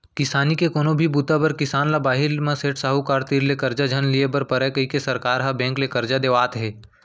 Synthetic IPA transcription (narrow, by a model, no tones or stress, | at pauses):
kɪsaːnikekoːnobʱibut̪abɐɾkɪsaːnlabaːɦɪlmãseːʈsaːɦukaːɾt̪iːɾlekɐɾd͡ʒad͡ʒʱənliebɐɾpɐɾɛkəikesɐɾkaːɾɦabɛ̃ːŋklekɐɾd͡ʒad̪eʋaːt̪ɦɛː